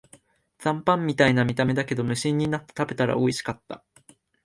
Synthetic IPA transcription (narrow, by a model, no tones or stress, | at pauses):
d͡zãmpãmːʲit̪ainamʲit̪ame̞d̪ake̞d̪o̞mɯ̟ɕĩɲ̟ːinat̪ːe̥t̪abe̞t̪aɾa̰oiɕi̥kat̪ːa̰